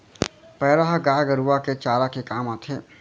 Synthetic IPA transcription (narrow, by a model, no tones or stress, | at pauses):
pɛːɾəɦaɡaːɡəɾuʋaket͡ʃaːlakekaːmaːt̪ʰeː